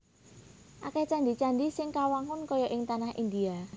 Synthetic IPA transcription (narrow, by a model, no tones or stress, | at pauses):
ʔakɛt͡ʃand̪it͡ʃanɖisɪŋkawaŋʊnkɔjɔʔɪŋt̪anahʔḭnd̪ia